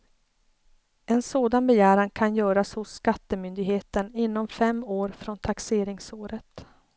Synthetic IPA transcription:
ɛnsoːd̪anbɛjæːɾankʰanjœːɾashʊsːkat̪ːəmʏnd̪ɪɡɦeːt̪ənɪnːɔmfɛmːoːɾfɾɔnt̪ʰakseːɾɪŋsoːɾət̪

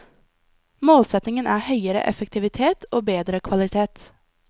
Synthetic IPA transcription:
moːlsɛt̪nɪŋənʔæːhœʏəɾə̰ʔɛ̰fəkt̪ʰɪʋɪt̪ʰeːt̪ʰoːbeːd̪ɾəkʰʋɑlɪt̪ʰeːt̪

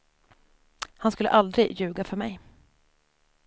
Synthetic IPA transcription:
hanskɵlːə̰ʔald̪ɾɪɡjʉ̟ːɡafœɾmɛj

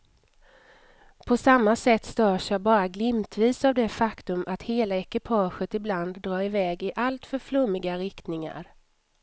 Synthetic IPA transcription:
pʰɔsamːasɛt̪ːst̪œːʂjabɑːɾaɡlɪmt̪ʰviːsavd̪ɛfakt̪ɵmʔat̪heːlaɛkɪpʰɑːɧət̪ɪbland̪ːɾɑːɾɪvɛːɡɪʔalt̪fœɾflɵmːɪɡaɾɪkt̪nɪŋa̰ɾ

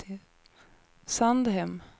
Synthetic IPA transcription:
sand̪ɦɛm

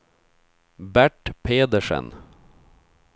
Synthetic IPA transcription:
bæʈpʰeːd̪əʂə̰n

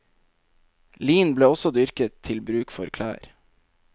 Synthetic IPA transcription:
liːnbleːɔsɔd̪ʏɾkət̪ʰɪlbɾʉːkfɔɾkʰlæ̰ːɾ

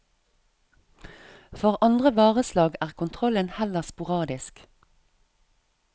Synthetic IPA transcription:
fɔʁʔɑnd̪ʁəʋɑːʁəslɑːɡæːʁkʊnt̪ʰʁɔlənhɛləʁspʊʁɑːd̪ɪsk

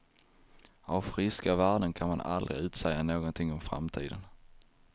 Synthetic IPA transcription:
avfɾɪskavæːɖənkʰanmana̰ld̪ɾɪ̰ʉ̟ːt̪sɛjːanoːɡɔnt̪ʰɪŋːɔmfɾa̰mt̪ʰḭːd̪ən

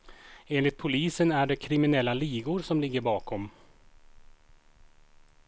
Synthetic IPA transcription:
eːnlɪt̪̚pʰʊliːsənæɖɛkʰɾɪmɪnɛlːaliːɡʊɾsɔmlɪɡːəɾbɑːkʰɔm

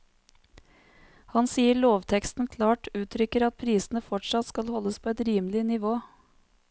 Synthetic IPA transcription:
hɑnsiːəɭoːʋt̪ʰɛkst̪n̩kʰlɑːʈʉːt̪ʰɾʏkəɾɑt̪̚pʰɾiːsn̩əfɔʈʂɑt̪skɑlhɔlːəspʰoːɛt̪ɾiːməlɪnɪʋoː

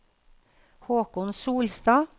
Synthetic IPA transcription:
hoːkʊnsuːlst̪ɑː

